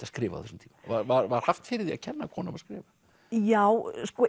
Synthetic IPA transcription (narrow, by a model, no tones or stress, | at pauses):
askɾɪːva̰θɛsʏmt̪ʰiːmavaɾvaɾvaɾ̥haft̪fɪːɾɪɾðia̰ðcʰɛnːakʰɔːnamaðskɾɪːva | jawskɔ